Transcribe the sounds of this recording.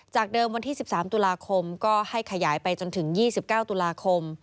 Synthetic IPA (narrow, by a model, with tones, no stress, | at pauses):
t͡ɕaː˨˩k̚dɤː˧mwa˧nt̪ʰiː˥˩i˨˩p̚saː˩˦mt̪u˧laː˧kʰo˧mkɔː˥˩ha˥˩jkʰa˧jaː˩˦jpa˧jt͡ɕo˧nt̪ʰɯ˩˦ŋjiː˥˩si˨˩p̚kaː˥˩wt̪u˧laː˧kʰo˧m